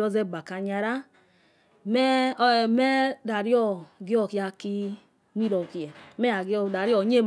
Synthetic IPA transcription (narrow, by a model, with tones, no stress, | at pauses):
ɾɔ˦zɛ˦˨ba˨ka˨ɲa˧ɾa˦ | mɛ˦˨mɛ˦da˨ɾi˦ɔ˦ɡi˦ɔ˦˨ki˦ja˧ki˦ | mi˦ɾɔ˨ki˨jɛ˨mɛ˦a˨ɡi˦ɔ˦˨da˨ɾi˦ɔ˨ɲe˦˨m